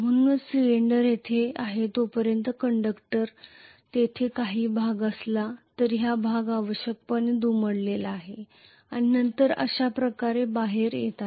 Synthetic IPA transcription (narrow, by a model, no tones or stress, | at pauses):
munːəsɾileɳɖəɾjet̪ʰeaɦet̪opəɾjənt̪əkəɳɖəkʈəɾ | t̪et̪ʰekaɦiːbʱaɡəslat̪əɾjabʱaɡaʋəɕjək̚pəɳ̃id̪uməɽlelaɦe | aɽ̃inənt̪əɾə̰ɕapɾəkaɾebaɦeɾjet̪a